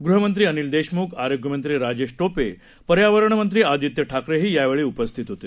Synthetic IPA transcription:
ɡɾuɦəmənt̪ɾiːənild̪eɕmuːkʰaɾoɡʱjəmənt̪ɾiːɾad͡ʑeɕʈope | pəɾjaʋəɾəɳəmənt̪ɾiːad̪it̪jəʈʰakɾeɦiːjaʋeɭiːupəst̪ʰit̪ɦot̪e

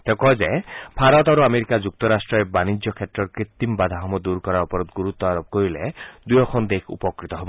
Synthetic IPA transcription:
t̪ekɔd͡ʒebʱaɾɔt̪ɔɾuameɾikad͡ʒuk̚t̪ɔɾasʈɾɔebanid͡ʒjɔkʰet̪ɾɔɾkɾit̪ːimbad̪ʱaɦɔmɔd̪uɾkɔɾaɾɔpɔɾud̪ɡuɾut̪ːɔaɾɔb̚koɾiled̪ujɔkʰɔnd̪ekʰṵpɔkɾit̪ɔɦebɔ

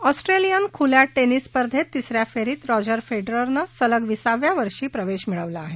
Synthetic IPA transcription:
ɔsʈɾelijənkʰuljaʈːenisːpəɾd̪ʱet̪ːisɾjafeɾiːt̪ɾɔd͡ʑəɾfeɖɾəɾnasələɡʋisaʋjaʋəɾʂiːpɾəʋeɕmiɭəʋlaːɦe

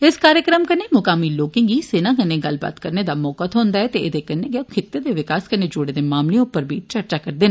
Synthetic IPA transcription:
ɪskaːɾjəkɾəmkɐnemʊkaːmiloːkɪ̃ŋɡiseːnakɐneɡɐlba̰ːt̪kɐɾned̪amɔːkat̪ʰɦoːnd̪aɦɛt̪eʔɪd̪ekɐneɡekʰɪt̪ːed̪eʋɪkaːskəned͡ʒʊɽed̪emaːmleʊpːəɾbʱit͡ʃɐɾt͡ʃakɐɾd̪eːn

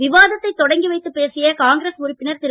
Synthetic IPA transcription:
ʋɪʋaːðɐt̪ːɐɪt̪ːɔɽɐŋɡiʋɐɪt̪ːɯpːeːsɪjɐkaːŋɡɾesʊɾɪpːɪnɐɾt̪ɪɾ

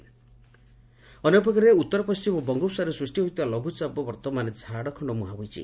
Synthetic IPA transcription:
ɔnep̬ɔkaɾeut̪ːɔɾɔpɔst͡ʃimɔbɔŋɡupsaɾɔsɾusʈiɦojt̪ibalɔɡʱut͡ʃabɔbɔɾt̪ɔmaned͡zʱaɽɔkʰɔɳɖɔmuɦabojt͡ʃʰḭ

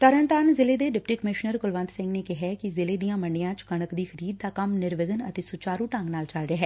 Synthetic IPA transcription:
t̪əɾənt̪aːnzɪleːd̪eːɖɪpʈiːkəmɪʃnəɾɡʊlʋə̃nd̪sɪ̃ŋɡneːkɪɦɛːkizɪleːd̪ijãːməɳɖijãːt͡ʃkəɳ̃əkd̪iːxʰəɾiːd̪̚ːaːkəmnɪɾʋɪɡənə̰t̪eːsʊt͡ʃaːɾuːʈə̃ŋɡnaːlt͡ʃaːlɾeːɦɛː

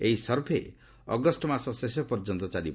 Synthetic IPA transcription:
eɦisʌɾpʰe | ɔ̰ɡɔsʈɔmasɔsesɔpɔɾd͡ʒɔnt̪ɔt͡ʃalib

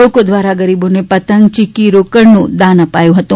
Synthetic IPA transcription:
okod̪ʋaɾaɡəɾibonepət̪əŋɡ̚t͡ʃɪkiɾokəɾnũd̪anəpajũɦət̪ũ

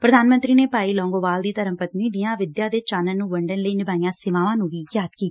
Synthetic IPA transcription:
pɾəd̪aːnmə̃nt̪ɾiːneːpaːiːlɔ̃ːŋɡoːbaːld̪iːt̪əɾəmpət̪nĩːd̪ɪjãːʋɪd̪jaːd̪eːt͡ʃaːnənnũːʋəɳɖənləiːnɪbaːijãːsɪʋaːʋãːnũːʋiːɡjaːt̪ki̥ː

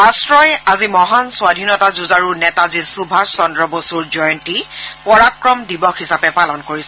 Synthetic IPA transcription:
asɹɔjazimɔɦanswadʱinɔtazuzaɹunɛtazisubʱaɹsɔndɹɔbosuɹzɔjɔntipɔɹakɹɔmdibɔxhisapɛpalɔnkoɹisɛ

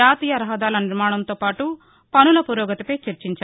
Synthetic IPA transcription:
aːt̪iːjɐɾɐɦɐd̪aːlɐniɾmaːɳ̃ɐnt̪oːpaːʈu | pɐnulɐpuɾɔːɡɐt̪ipɐjt͡ʃɐɾt͡ʃiɲt͡ʃa

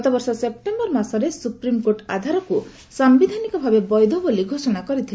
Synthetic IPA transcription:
t̪ɔbɔɾsɔsep̚ʈembɔɾmasɔɾesupɾimkoɾʈa̰d̪ʱaɾɔku | sambid̪ʱanikɔbʱabebɔjd̪ʱɔboliɡʱosɔɽ̃akɔɾit̪ʰil

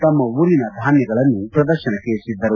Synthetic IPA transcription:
t̪ɐmːɐʋuɾinɐd̪ʱaːnjɐɡɐɭɐnːupɾɐd̪ɐɾʃɐnɐkesid̪ʱːɐɾu

